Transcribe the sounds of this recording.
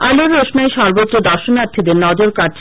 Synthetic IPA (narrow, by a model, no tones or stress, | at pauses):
aloɾːoʃnaeʃɔɾbot̪ːɾod̪ɔɾʃonaɾt̪ʰːid̪eɾnɔd͡ʑoɾkaɾt͡ɕʰ